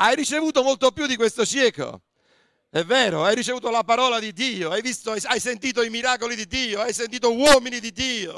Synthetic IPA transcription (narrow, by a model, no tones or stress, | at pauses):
ajrit͡ʃevuːt̪omolt̪opːjud̪ːikwest̪osjɛːko̰ | ɛvːɛːɾoajɾit͡ʃevuːt̪olapaɾɔːlad̪id̪ːiːoajvist̪oajajsent̪iːt̪̬oimiɾaːkolid̪id̪iːoajsent̪iːt̪owɔːminid̪id̪iːo